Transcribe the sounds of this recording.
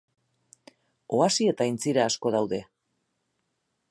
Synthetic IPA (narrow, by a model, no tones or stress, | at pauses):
o̞asie̞t̪aint͡siɾaːsko̞ðawðe̞